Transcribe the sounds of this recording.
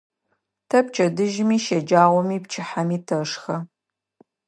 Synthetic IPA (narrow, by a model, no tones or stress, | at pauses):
tʰɐp̚t͡ʃʼʰɐdɨʒmiːʃɐd͡ʒaːʁʷɔmiːp̚t͡ʃʰɪħamiːtʰɐʂxɐ